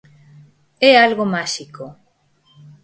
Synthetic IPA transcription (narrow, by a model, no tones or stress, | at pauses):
ɛalɣomaʃiko